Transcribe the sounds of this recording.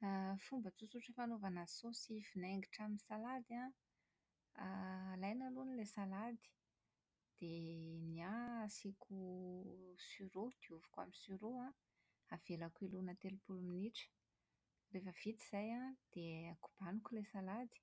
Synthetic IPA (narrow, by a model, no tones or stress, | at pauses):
afumbət͡sut͡suʈ͡ʂəfanovanasosifinaeŋɡiʈ͡ʂaminisalad̪a | lajnalunilesalad̪i̥ | d̪̥eniasikʰu | syɾod̪̥iuvu̥kwa̰minisyɾoã | av̥elakuilunat̪elupuluminiʈ͡ʂə̥ | refəv̥it̪iz̥ajad̪̥eaku̥b̥anukulesalad̪i̥